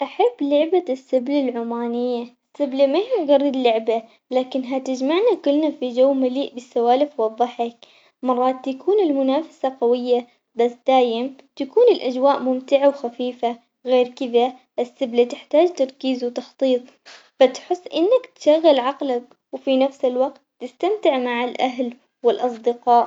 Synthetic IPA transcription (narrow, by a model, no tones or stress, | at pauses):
ʔaħabːlʊʕbasːɪblalʕʊmaːnɪjːaɪsːɪblamahiɡɑrˤːɨd̪lʊʕba | laːkɪnɦat̪ɪd͡ʒmaʕnakʊlnafid͡ʒawːmaliːʔbɪsːawaːlɪfwɑðˤːɑħɑk̚ | mɑrˤːɑːt̪ːakʰuːnɪlmʊnaːfḁsaqawɪjːa | basd̪̥aːjɪmt̪akuːnɪlʔad͡ʒwaːʔmʊmt̪ɪʕawxafiːfa | ɣeːɾkɪða | ʔɪsːɪblat̪ɪħt̪aːd͡ʒt̪ɑɾˤkiːzwt̪ɑxt̪ˤiːt̪ˤ | fat̪ħɪsːʔɪnːakt̪ʃaɣːɪlʕɑqlak | wfinafsɪlwaɡt̪ːɪst̪amt̪ɪʕmaʕɪlʔaɦl | wɪlʔɑsˤd̪ɪqɑːʔ